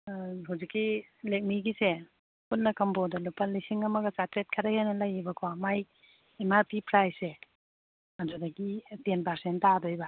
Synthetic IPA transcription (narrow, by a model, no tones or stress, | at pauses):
ɦawzikːilek̚miɡise | punnːɐkɐmbodɐlupːɐlisiŋɐmɐɡɐt͡ʃatɾet̚kʰɐɾɐhejnɐlɐjibɐkʰamaj | imatipʰɾajse | ad͡ʒudaɡitenpaɾsentːadojba